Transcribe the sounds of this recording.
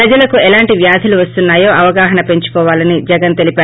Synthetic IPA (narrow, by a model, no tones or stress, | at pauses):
ɾɐd͡ʒɐlɐkuɛlaːɳʈiʋjaːd̪ʱɐluʋɐst̪unːaːjoːʔɐʋɐɡaːɦɐnɐpe̞ɲt͡ʃu̥pɔːʋaːlɐnid͡ʒɛɡɐnt̪e̞lipaː